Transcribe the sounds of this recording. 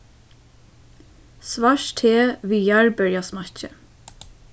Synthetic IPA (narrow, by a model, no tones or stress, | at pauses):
sʋɑːʃtʰeːʋiːjæɹbœɹjɑːsmɑçə